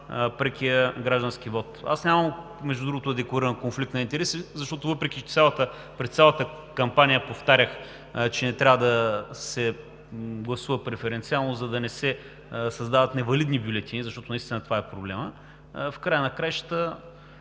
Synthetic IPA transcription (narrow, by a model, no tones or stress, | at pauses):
pɾɛkʲiəɡɾaʒd̪ɐnskivɔt̪a̰snʲamɐm | mɛʒd̪ud̪ɾuɡot̪ʊd̪ɛkloɾiɾɐnkonflik̚t̪nɐint̪ɛɾɛsizɐʃt̪ɔt̪ʊvɤpɾɛkit̪sʲjalˠət̪ə | pɾɛst̪sʲjalˠɐt̪ə | kɐmpanijəpoft̪aɾʲəx | t͡ʃɛnɛt̪ɾʲavəd̪ɐsɛ | ɡlˠɐsuvəpɾɛfɛɾɛnt̪sialˠnozɐd̪ɐnɛsɛ | sɐzd̪avɐt̪nɛvɐlid̪nibjulʲɛt̪inzɐʃt̪ɔt̪onɐist̪inət̪ovaɛpɾoblɛmə | fkɾajənɐkɾajʃə̥t̪ə